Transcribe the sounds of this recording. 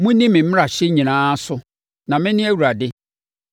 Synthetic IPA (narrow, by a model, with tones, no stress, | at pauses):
mũ˦nĩ˦mɪ̃˨m̩˦ɾa˨ɕɛ˦ɲĩ˨nãː˦sʊ˦ | nã˨mɪ̃˦nɪ̃˦æ˦wu˨ɾa˨dɪ˦